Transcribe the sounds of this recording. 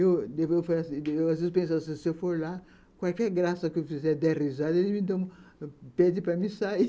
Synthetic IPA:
ewd̪evewfaasewazvezɪspẽsasɪsewfoɾla | kwawkɛɾɡɾasɐkɪewfizɛɾd̪erizad̪ɐelɪmɪd̪õ | pɛd͡ʒɪpɾɐmisai

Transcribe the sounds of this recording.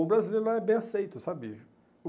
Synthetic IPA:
ʊbɾazilejɾʊlaɛbẽj̃asejt̪ʊsabɪ | ʊ

